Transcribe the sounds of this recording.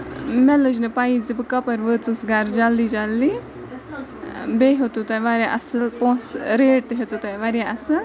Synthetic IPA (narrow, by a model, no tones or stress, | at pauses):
mɛləd͡ʒnɨpaizibɨkɐpɐɾʋəːt͡sɨsɡaɾd͡ʒalːid͡ʒalːi | beɦot̪ut̪ajʋaɾjaʔɐsɨlpõːsɾeːɖ̚t̪eɦet͡sut̪ajʋaɾjaɐsɨ